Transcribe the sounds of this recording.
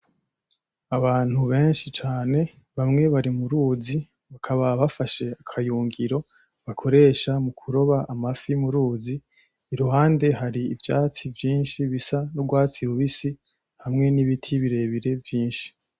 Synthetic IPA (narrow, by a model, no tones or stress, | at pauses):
aβaːn̥huβe̞ːnʃit͡ʃaːne̞ | βamŋe̞βaɾimuɾuːzi | βakʰaβaβafaʃe̞akʰajuːŋɡiɾo̞ | βakʰo̞ɾe̞ʃamukʰuɾo̞βaːmafimuɾuːziː | ɾuɦaːnde̞ɦaɾiːvjaːt͡sivjiːnʃiβisanuɡwaːt͡siɾuβisi | hamŋe̞niβitʰiβiɾe̞ːβiɾe̞vjiːnʃi̥